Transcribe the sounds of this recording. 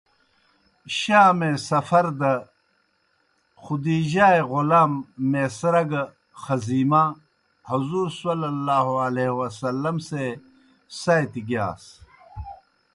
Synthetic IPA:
ɕaːmẽsɐfɐɾd̪ɐ | xud̪iːd͡ʑaːeɣulaːmːesɾɐɡ | xɐziːma | huzuːɾsɐlɐlːaːɦoɐleːɦwɐsɐlːɐmse | sajt̪iɡjaːs

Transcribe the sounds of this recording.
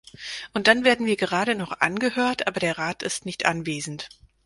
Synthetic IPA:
ʔʊnt̚d̥anveːɐdn̩viːɐɡəʁ̞aːɾənɔχʔa̰nɡəhøːɐtʔaːbɐɾeːɐʁaːtɪstnɪçtʔanveːzn̩t

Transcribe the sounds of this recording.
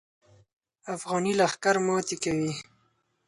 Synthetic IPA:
afɣɑnilaxkaɾmɔt̪ekawi

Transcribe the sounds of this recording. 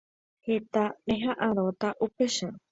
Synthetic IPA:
het̪anẽɦãʔãɾot̪aʔupeʃã

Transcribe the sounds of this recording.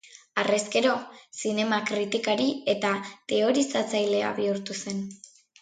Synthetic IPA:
are̞ske̞ɾo̞sine̞makɾit̪ikaɾie̞t̪at̪e̞o̞ɾisat͡sajle̞a̰βiuɾt̪use̞n

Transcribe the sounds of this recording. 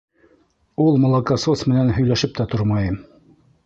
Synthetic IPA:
ulˠmŏlˠɑkɑsosmɘ̆nænɦɵ̆jlæʃɘp̚t̪æt̪oɾmɑjɤm

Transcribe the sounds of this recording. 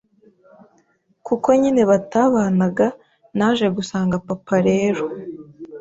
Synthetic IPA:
kuko̞ɲine̞βataːβaːnaɡa | naːʒe̞ɡusaːŋɡapapaɾe̞ːɾo

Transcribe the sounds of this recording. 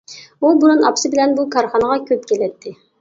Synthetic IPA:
ubuɾunɑpsɨbɪlɛnbukʰɑɾχɑnəʁɑkʲʰøp̚kʲelɛt̪ʰːɪ

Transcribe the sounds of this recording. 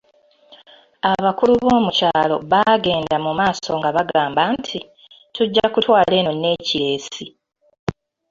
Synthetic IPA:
aβakuluβo̞ːmucaːlo̞̰βaɡe̞ːndamumaːso̞ŋɡaβaɡaːmbantʰi | tuɟːakutwaːle̞ːnonːe̞ːciɾe̞ːsi

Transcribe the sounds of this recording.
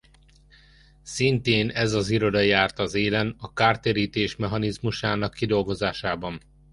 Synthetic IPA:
sint̪eːnɛzɒziɾo̞d̪ɒjaːrt̪ɒzeːlɛnɒkaːrt̪eːɾiːt̪eːʃmɛɦɒnizmuʃaːnɒkːid̪o̞lɡo̞zaːʃaːbɒn

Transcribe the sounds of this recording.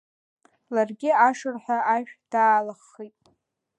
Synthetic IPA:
larɡʲɪaʂɨrħʷᶣaaʃᶣd̥aːlaχːijtʼ

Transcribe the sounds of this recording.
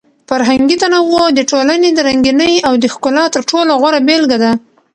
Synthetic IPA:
faɾɦaŋɡit̪anawod̪əʈolaned̪əɾaŋɡinəjawd̪əxkʊlɑt̪əɾʈoloɣwaɽabelɡad̪a

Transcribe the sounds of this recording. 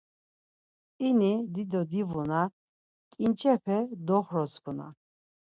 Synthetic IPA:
inid̪id̪ɔd̪ivuna | kʼint͡ʃʰʼɛpʰɛd̪ɔχɾɔsɡʰuna̰

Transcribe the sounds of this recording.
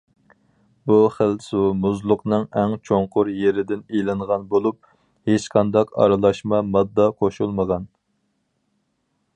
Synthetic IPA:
buχəlsumuzlˠʊqnɨŋɛŋt͡ʃʰoŋqʰʊɾjeɾɪd̪ɪnejlˠɨɴʁɑnbolˠup̚ | het͡ʃqʰɑnd̪ɑqɑ̰ɾɨlˠɑʃmɑmɑd̪ːɑqʰoʃulˠməʁɑn

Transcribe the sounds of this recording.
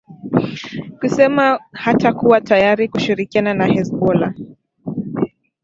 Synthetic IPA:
kusɛmahatakuwatajaɾikuʃiɾikiananahɛsbɔla

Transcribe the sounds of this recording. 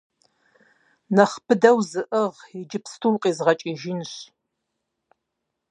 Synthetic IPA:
nɐχpʰɨdɐwzɨʔəʁid͡ʒɪpstʰuwqʼiːzʁɐt͡ʃʼiːʒinɕ

